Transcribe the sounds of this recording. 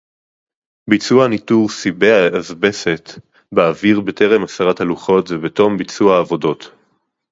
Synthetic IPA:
bit͡suanituʁsibeaazbe̞se̞t | beaviʁbetʰeʁe̞masaʁathaluχo̞tvebeto̞mbit͡suaːvo̞do̞t

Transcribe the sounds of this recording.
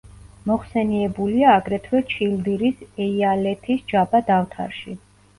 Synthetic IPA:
mɔχsɛniɛbuliaːɡɾɛt̪ʰwɛt͡ʃʰild̪iɾisɛialɛt̪ʰisd͡ʒabad̪aft̪ʰa̰ɾʃi

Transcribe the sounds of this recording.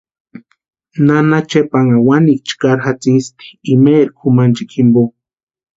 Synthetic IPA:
nanat͡ʃepaŋawanik̚t͡ʃkaɾxat͡sist̪i̥imeɾkʰumant͡ʃikʰimbo

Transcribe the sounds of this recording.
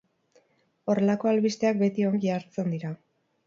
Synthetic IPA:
o̞re̞lako̞alβist̪e̞ak̚be̞t̪ioŋɡʝaːɾt͡se̞nd̪iɾa

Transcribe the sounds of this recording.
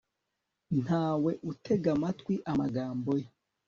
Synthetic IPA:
n̥haːwe̞ʔutʰe̞ɡamatwiʔamaɡaːmboje

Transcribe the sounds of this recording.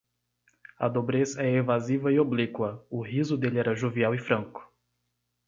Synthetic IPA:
ɐ̰d̪obɾesɐɛevazivɐioblikwɐʊɦizʊd̪elɪɛɾɐʒoviawɪfɾɐ̃ŋkʊ̥

